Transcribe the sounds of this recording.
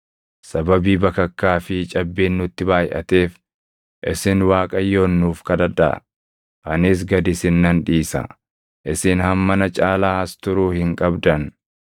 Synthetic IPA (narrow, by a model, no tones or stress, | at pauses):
sɐbɐbiːbɐkːɐkːaːfɪt͡ʃʼɐbːeːnːʊt̪ːɪbaːjʔɐ̰t̪e̞ːf | ʔɪsɪnwaːkʼɐjːoːnːuːfkɐd̪ɐᶑ̪ɐ̰ | ʔɐnɪs̬ɡɐd̪ɪsɪnːɐnᶑiːsɐ̰ | ʔɪsɪnhɐmːɐnɐt͡ʃʼaːlaːɐst̪ʊɾuːhɪŋkʼɐbd̪ɐn